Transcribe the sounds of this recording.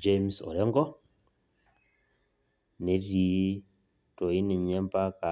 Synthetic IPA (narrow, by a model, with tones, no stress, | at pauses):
d͡ʒe˦msɔ̰˨ɾɛ˦ŋɡɔ˦ | ne˨si˨˦ | to˨i˦ni˨ɲɛ˦mpa˦ka˨